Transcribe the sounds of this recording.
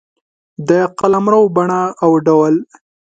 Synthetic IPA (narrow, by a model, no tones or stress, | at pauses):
d̪əqalamɾawbaɳaːwɖawal